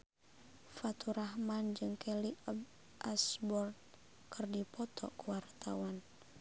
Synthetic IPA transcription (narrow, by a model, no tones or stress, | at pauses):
fat̪uɾahmand͡ʒɨŋkʰɛlib | ʔasbɔrt̪̚ | kɨrdipɔt̪ʰɔ̰kuwart̪awan